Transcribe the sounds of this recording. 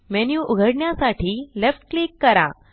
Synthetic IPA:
mɛnjuʔuɡʱəɽɳjasaʈʰiːlefʈklikːəɾa̰

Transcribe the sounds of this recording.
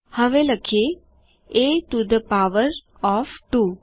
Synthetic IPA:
həʋeləkʰe | et̪ud̪əpaʋəɾ | ɔfʈu

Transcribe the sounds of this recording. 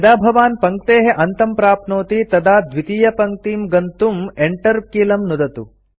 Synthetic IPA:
d̪aːbʱɐʋaːnpɐŋk̚t̪eːɦeʔɐnt̪ɐmpɾaːpnoːt̪it̪ɐd̪aːd̪ʋit̪iːjɐpɐŋk̚t̪iːmɡɐnt̪umeɳʈɐɾkiːlɐmnud̪ɐt̪u

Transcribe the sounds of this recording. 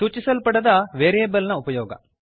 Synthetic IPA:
t̪ut͡ʃːisɐlpɐɽɐd̪ɐʋeːɾɛjebɐlnɐupɐjɔːɡɐ̰

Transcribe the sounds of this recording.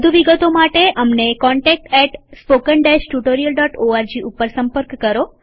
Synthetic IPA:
d̪ʱuʋiɡət̪omaʈeʔəmnekɔɳʈɛk̚ʈɛʈspokəɳɖɛʃʈuʈoɾijəlɖɔʈoaɾd͡ʒiʔupəɾsə̃mpəɾkːəɾo

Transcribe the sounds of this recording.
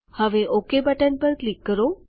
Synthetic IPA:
həʋeʔokebəʈənpəɾklikːəɾo

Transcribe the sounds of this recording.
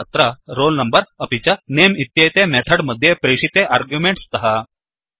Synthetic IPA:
ət̪ɾaɾolnəmbəɾəpit͡ɕanemit̪jəjt̪emɛt̪ʰəɽməd̪ʱjepɾeɕit̪eʔaɾɡjumeɳʈst̪əɦa

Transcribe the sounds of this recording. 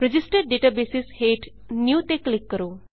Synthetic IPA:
ɾed͡zisʈərɖeʈabesisheʈ | njut̪eklikːʌɾu

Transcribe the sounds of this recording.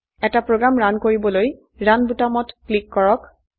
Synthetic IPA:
ɛtapɹoɡɹamɹankoɹibɔloj | ɹanbutamɔtklikːɔɹɔk

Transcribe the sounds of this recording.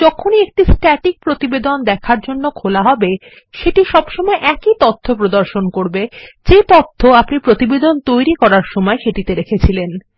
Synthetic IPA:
d͡ʑɔkʰoniek̚ʈisʈɛʈik̚pɾot̪ibed̪ond̪ɛkʰaɾd͡ʑonːokʰolaɦɔbe | ʃeʈiʃɔbʃɔmɔeʔɛkit̪ot̪ʰːop̬ɾod̪oɾʃonkoɾbed͡ʑet̪ot̪ʰːoapnipɾot̪ibed̪ont̪ojɾikɔɾaɾʃɔmɔeʃeʈit̪eɾekʰet͡ɕʰilen

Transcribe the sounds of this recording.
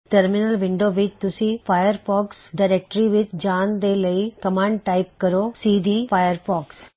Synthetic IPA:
ʈəɾmɪnəlʋɪ̃ɳɖoʋɪt͡ʃt̪ʊsĩfʰaːjəɾpɔːksɖaːɾeːk̚ʈɾiʋɪt͡ʃd͡ʒaːnd̪eləikɐmãːɳɖ̚ʈaːɪp̚kɐɾosiːɖiːfʰaːjəɾpɔːks

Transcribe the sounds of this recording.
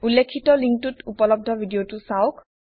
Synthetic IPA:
ulːekʰːitɔliŋk̚tutupɔlɔb̚dʱɔbʱidiotusaʊk

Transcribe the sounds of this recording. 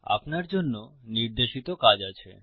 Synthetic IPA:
a̰pnaɾd͡ʒonːoniɾd̪eʃit̪okad͡ʒat͡ʃʰe

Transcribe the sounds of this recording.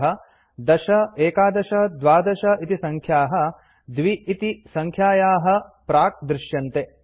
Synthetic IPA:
ɦɐ̆ | d̪ɐʃɐeːkaːd̪ɐʃɐd̪ʋaːd̪ɐʃɐit̪isɐŋkʰjaːɦɐ̆ | d̪ʋiːt̪isɐŋkʰjaːjaːɦɐ̆pɾaːk̚d̪ɾɪʃjɐnt̪eː

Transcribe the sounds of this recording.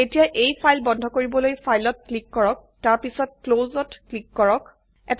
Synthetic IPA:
etijaʔejpʰajlbɔndʱɔkoɹibɔlojpʰajlɔt̚klikːɔɹɔk̚taɹpisɔt̚klozɔtklikːɔɹɔk | ɛ̰t

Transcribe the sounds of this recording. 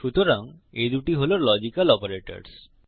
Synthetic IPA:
ʃut̪oɾaŋ | ed̪uʈiɦolɔɾlɔd͡ʒikalɔpeɾeʈɔ̰ɾs

